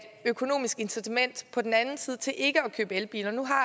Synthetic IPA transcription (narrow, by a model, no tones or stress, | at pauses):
d̥økʰo̝no̝̰ːmisɡ̥e̝nsit͡sʰemen̰d̥pʰɒ̽d̥en̩ænn̩siːð̞ˠt͡sʰe̝lʔe̝ɡ̥əɒkʰø̰ːb̥əelb̥ḭːlɐnuɦɑ̈